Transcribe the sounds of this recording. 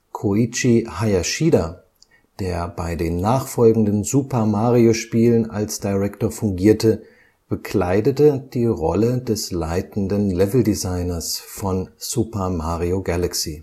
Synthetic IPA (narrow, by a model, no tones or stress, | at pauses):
kʰoit͡ʃihajaʃiːda | d̥eːɐbaɪdeːnːaːχfɔlɡŋ̩dənzuːpɐmaːʁioʃpiːləna̰lsd̥aʁɛktoːɐfʊŋɡiːɐtə | b̥əkʰl̥aɪdətəd̥iːʁɔ̰lədɛsla̰ɪtn̩dənlɛvl̩dizaɪnɐsfɔnz̥upɐmaːʁioɡalaksiː